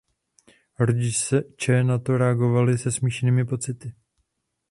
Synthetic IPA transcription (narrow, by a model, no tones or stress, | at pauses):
ɾoɟɪʃsɛt͡ʃɛnat̪o̞ɾɛaɡo̞valɪsɛsmiːʃniːmɪpo̞t͡sɪt̪ɪ